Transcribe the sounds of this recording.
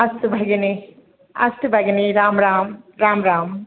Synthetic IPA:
ɐst̪ubʱɐɡɐni | ɐ̰st̪ɨbʱɐɡɐniɾaːmɾaːmɾaːmɾaːm

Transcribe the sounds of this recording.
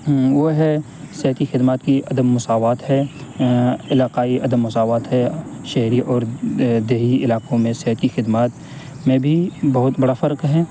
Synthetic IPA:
ʋoɦɛ | sɪɦət̪ixɪd̪maːt̪kiɐd̪əmːʊsaːʋaːt̪ɦɛ | ɪlaːqaːiʔɐd̪əmːʊsaːʋaːt̪ɦɛʃɐɦɾiʔɔːɾd̪eːɦiɪlaːqõmẽsɪɦət̪kixɪd̪maːt̪ | mẽbʱibɐɦʊt̪bɐɽafɐɾqɦɛː

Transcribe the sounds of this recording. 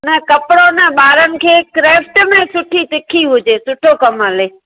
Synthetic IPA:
nɐkɐpɽonɛɓaːɾənɪ̆kʰeːkɾeːfʈmẽsʊʈʰit̪ɪkʰiɦʊd͡ʑeːsʊʈʰokɐmɦɐleː

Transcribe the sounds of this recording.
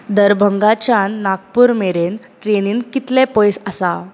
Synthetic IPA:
d̪əɾbʱəŋɡat͡ɕanːak̚puːɾmeɾen | ʈɾeniːnkit̪lɛ̃pojsəsa

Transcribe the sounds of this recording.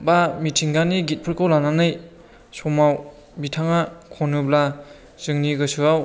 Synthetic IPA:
bamitʰiŋɡaniɡit̚pʰɯɾkʰawlananɯj | sɔmaw | mbitʰaŋakʰɔnɯbla | z̥ɯŋniɡɯsɯaw

